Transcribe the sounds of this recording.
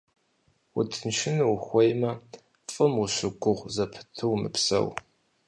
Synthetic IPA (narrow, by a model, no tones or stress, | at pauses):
ṵtʰɨnʃɪnwxʷɔjmɐ | fʼɨmʊɕɨɡʷʊʁʷzɐpʰɨ̥tʰɨwmɨ̰psɐ̰w